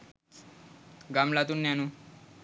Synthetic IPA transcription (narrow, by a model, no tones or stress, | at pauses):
ɡamlat̪unːjanu